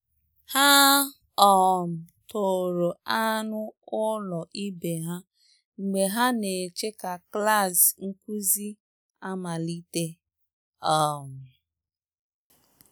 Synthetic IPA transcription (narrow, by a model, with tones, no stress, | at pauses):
ha˦ | ɔ˦˨m̩˨to˨ɾo˨a˦nʊ˦ʊ˦lɔ˨ʔi˦be˨ɦa˦ | ŋ͡m̩˨ɡ͡be˨ɦa˦ne˨t͡ʃe˦ka˨kla˦˨zŋ̩˦ku˦zi˦ | a˦ma˨li˦te˦ | ɔ˦˨m̩˨